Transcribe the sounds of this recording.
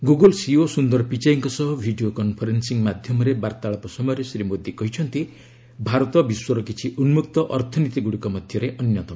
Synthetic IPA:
ɡuɡɔlsiosund̪ɔɾɔpit͡ʃaiŋkɔsɔɦɔbʱiɖiokɔnpʰɔɾensiŋmad̪ʱjɔmɔɾebaɾt̪aɭɔpɔsɔmɔjɾesɾimod̪ikɔɦit͡ʃʰɔnt̪i | bʱaɾɔt̪ɔbiswɔɾɔkit͡ʃʰiʔunmukt̪ɔʔɔɾt̪ʰɔnit̪iɡuɽikɔmɔd̪ʱjɔɾeʔɔnjɔt̪ɔm

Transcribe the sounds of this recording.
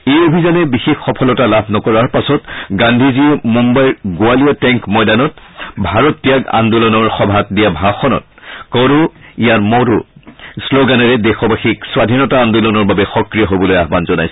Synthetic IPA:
ejobʱizanɛbixexːɔpʰɔlɔtalabʱnɔkɔɹaɹpasɔtɡandʱiziɛmumbajɹɡʊaliɔtɛŋkmɔjdanɔtbʱaɹɔtːijaɡa̰ndulɔnɔɹxɔbʱat̚dijabʱaxɔnɔ̰t̚kɔɾuijaɹmɔɾusloɡanɔɹɛdexɔbaxikswadʱinɔtaːndulɔnɔɹbabɛxɔkɹijɔɦobɔlojaɦbanzɔnajsɛ

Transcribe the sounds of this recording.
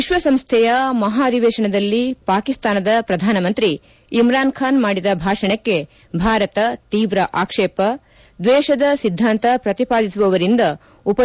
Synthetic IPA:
iʃʋɐsɐmst̪ʰɛjɐmɐɦaːd̪iʋɛːʃɐɳɐd̪ɐlːipaːkist̪aːnɐd̪ɐpɾɐd̪ʱaːnɐmɐnt̪ɾiː | mɾaːnkʰaːnmaːɽid̪ɐbʱaːʂɐɳɐkːe̞ | bʱaːɾɐt̪ɐt̪iːʋɾɐʔaːkʂɛːpɐ | d̪ʋɛːʃɐd̪ɐsid̪ʱːaːnt̪ɐpɾɐt̪ipaːd̪isuʋɐʋɐɾind̪ɐ | upɐ

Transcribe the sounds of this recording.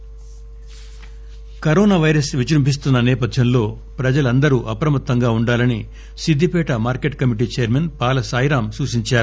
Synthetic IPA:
kɐɾoːnaːʋɐjɾɐsʋit͡ʃɾumpis̬t̪unːɐnɛːpɐd̪ʱjɐnlo̞ː | pɾɐd͡ʒɐlɐnd̪ɐɾuʔɐpɾɐmɐt̪ːɐŋɡaːuɳɖaːlɐni | sid̪ʱːipɛːʈɐmaːɾkeʈkɐmiʈ̬iːt͡ʃɛjɐɾmenpaːlɐsaːjɾaːmsuːʃiɲt͡ʃaːɾu

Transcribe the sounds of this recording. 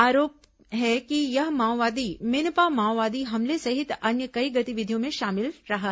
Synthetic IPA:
aːɾoːp̚ | ɦɛkijɐɦmaːwʋaːd̪imɪnpamaːwʋaːd̪iɦɐmlesɐɦɪt̪ɐnjəkɐiɡɐt̪iʋɪd̪ʱijõmẽʃaːmɪlɾɐɦa

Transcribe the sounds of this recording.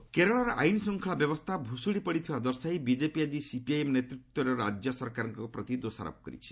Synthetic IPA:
keɾɔɭaɾɔʔajnsɔŋkʰɭabjɔbɔst̪ʰabʱusuɽipɔɽit̪ʰibad̪ɔɾsajbid͡ʒepiad̪isipiajemɔnet̪ɾit̪wɔɾɔɾad͡ʒjɔsɔɾkaɾɔŋkɔpɾɔt̪id̪osa̰ɾɔ̰pɔkɔ̰ɾḭt͡ʃʰi̥

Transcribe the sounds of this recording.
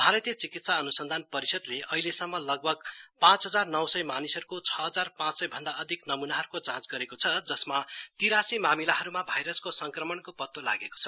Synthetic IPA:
bʱaɾʌt̪ijʌt͡sikit̪saʌnusʌnd̪ʱanpʌɾisʌd̪leʔʌɦilesʌmːʌlʌɡ̚bʱʌɡpãt͡sɦʌd͡zarnʌwsʌjmanisʌɾukot͡sʰʌɦʌd͡zarpãt͡ssʌjbʱʌnd̪aʌd̪ʱiknʌmunaɦʌɾukot͡sãt͡sɡʌɾekot͡sʰʌd͡zʌsmat̪iɾasimamilaɦʌɾumabʱʌjɾʌskosʌŋkrʌmʌɳkopʌt̪ːola̰ɡeko̥t͡sʰʌ

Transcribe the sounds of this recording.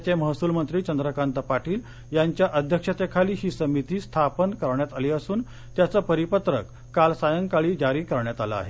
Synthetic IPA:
t͡ɕeməɦsuːlmənt̪ɾiːt͡ɕənd̪ɾəkant̪əpaʈiːl | jaɲt͡ɕjaʔəd̪ʱjəkʂət̪ekʰaliːɦiːsəmit̪iːst̪ʰapənkəɾɳjat̪aleəsuːn | t̪jat͡səːpəɾipət̪ɾəkːalsajəŋɡkaɭiːd͡ʑaɾiːkəɾɳjat̪ala̰a̰ɦe

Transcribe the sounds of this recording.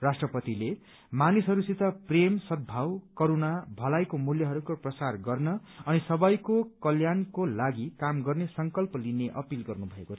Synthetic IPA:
rasʈrʌpʌt̪ile | manisɦʌɾusit̪ʌpremsʌd̪̚bʱawkʌɾunabʱʌlajkomuljʌɦʌɾukoprʌsarɡʌrnʌːnisʌbʌjkokʌljankolaɡikamɡʌrnesʌŋkʌlpʌlineʔʌpilɡʌrnubʱʌekot͡sʰʌ

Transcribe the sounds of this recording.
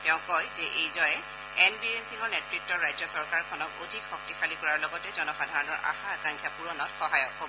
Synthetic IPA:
tɛʊ̃kɔjzɛʔejzɔjɛ | ɛnbiɹensiŋɔɹnɛtɹik̚tːɔɹajzɔsɔɹkaɹkʰɔnɔkodʱikxɔk̚tixʰalikɔɹaɹlɔɡɔtɛzɔnɔxadʱaɹɔnɔɹʔa̰xaakãŋkʰjapuɹɔnɔtxɔɦajɔkɦobɔ

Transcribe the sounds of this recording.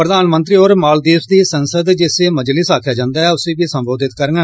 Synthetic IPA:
pɾəd̪aːnmə̃nt̪̬ɾiːoːɾmaːld̪iːpd̪iːsənsəd̪d͡ʒɪseːməd͡ʒlɪsaːkʰjaːd͡ʒãːnd̪aːɦɛːʊseːbiːsəmboːd̪ɪt̪kəɾnə

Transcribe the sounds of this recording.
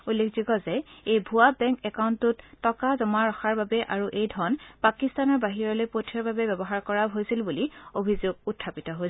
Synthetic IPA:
ulːekʰzikɔzɛejbʱuabɛ̃ŋkɛkaʊntʊtːɔkazɔmaɹɔxaɹbabɛʔaɹuʔejdʱɔɹnpakistanɔɹbaɦiɹɔlojpotʰiɔɹbabɛbɛbɔɦaɹkɔɹabɦojsilbuliobʱizoɡ̚utʰːapitɔɦoj

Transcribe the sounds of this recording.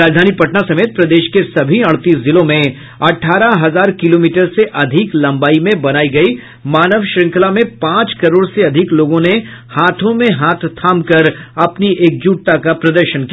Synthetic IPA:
ɾaːd͡ʒd̪ʱaːnipɐʈnasɐmeːt̪̚pɾɐd̪eːʃkesɐbʱiɐɽt̪iːszɪlõmẽ | ɐʈʰaːɾaɦɐzaːɾkɪloːmiːʈəɾseʔɐd̪ʱɪklɐ̃mbaːimẽbɐnaːiɡɐi | maːnəʋʃɾɪ̃ŋkʰlamẽpãːt͡ʃkɐɾoːɽseɐd̪ʱɪkloːɡõne | haːt̪ʰõmẽɦaːt̪ʰt̪ʰaːmkɐɾɐpniʔeːk̚d͡ʒuːʈ̚t̪akapɾɐd̪əɾʃənki

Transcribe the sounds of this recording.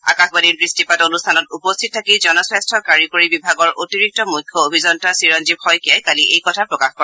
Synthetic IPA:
a̰kaxbadiɹbɹistipatonustʰanɔtupostʰit̚tʰakizɔnɔsɹɛstʰɔkaɹikoɹibibʱaɡɔɹʔotiɹik̚tɔmujkʰːɔobʱizɔntasiɹɔnzib̚hɔjkiajkaliʔejkɔtʰapɹɔkaxkɔɛ

